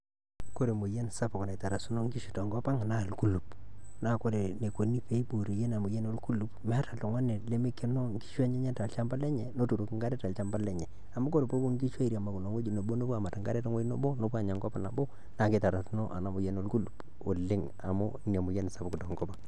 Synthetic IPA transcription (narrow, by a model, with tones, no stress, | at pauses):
ko˦ɾe˨mu˨je˦n˨sa˦pʊ˨kna˨ta˨ɾa˨su˦no˦ŋɡi˦ʃi˨to˨ŋɡɔ˦pa˦ŋa˨na˦˨lku˦lu˨p | na˨ko˦ɾe˨ne˨ko˨ni˦pe˦bu˨ɾo˨je˦na˨mu˨je˦no˦lku˦lu˦pmɛ˦a˦ta˨lo˨ŋa˦ne˨le˦mɪ˦ke˦no˦ŋ̩˦ki̥˦ʃa˦ɲɛ˦ɲɛ˦ta˨lt͡ʃa˦mba˦lɛ˦ɲɛ˨no˦tu˨ɾu˨kŋɡa˦ɾɛ˦ta˨lt͡ʃa˦mba˦lɛ˦ɲɛ˨ | a˨mo˦ko˦ɾe˨po˦bo˦ŋ˦ɡi˦ʃa˦i˦ɾi˨a˨ma˨ku˨no˨ŋwo˦d͡ʒi˨no˨bo˦no˦pu˦a˨ma˨ta˨ŋɡa˦ɾe˦to˦ŋwo˦no˦bo˦no˦pu˦a˨ɲa˨ŋɡɔ˦pa˨na˨bo˦ | na˨kɪ˨ta˨ɾa˨su˦no˦ʔa̰˨na˦mʊ˨jɛ˦no˦lku˦lu˨p | o˨lɪ˦ŋ | a̰˨mʊ̰˦ɲa˨mu˨jɛ˦n˨sa˦pku˨tɔ˨ŋɡɔ˦pa˦˨ŋ